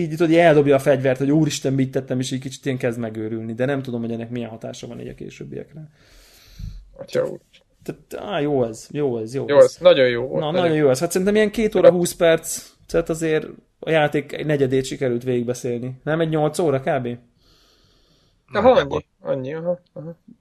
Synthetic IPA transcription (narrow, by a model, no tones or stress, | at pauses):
iːit̪od̪iɛld̪o̞bjɒːfɛɟvɛrt̪hoɟuːɾiʃt̪ɛmbict̪ːɛt̪ːɛmeʃɛckit͡ʃi̥t̪eːŋkɛzd̪mɛɡøːɾylnid̪ɛnɛmt̪ud̪o̞mhoɛnːɛkmiɛnɦɒt̪a̰ːʃɒvɒ̰nḭɟɒ̰kḛːʃø̰ːbːḭjɛ̰krɛ | ɔ̰cʰɒ̰ṵː | t̪ɛt̪a̰joːɛzjoːɛzjoːonɒɟojjoːo̰nɒnɒo̞njoːɛshat̪sɛɾint̪ɛmijɛŋkeːt̪oːɾɒɦuːspɛrt̪s | t̪ɛt̪ːɒzeːɾ | ɒ̰jaːt̪eːkɛ̰nɛɟɛd̪eːt̪ʃikɛɾylt̪ʋeːɡiɡ̚bɛseːlninɛmɛɟɲo̞lt̪soːɾɒkaːbeː | ɒɦɲːi | ɒ̰ɲːiɒɦɒɦ